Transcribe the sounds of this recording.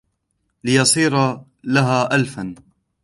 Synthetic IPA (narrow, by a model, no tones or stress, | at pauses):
lɪjɑsˤiːɾa | laɦaːʔalfan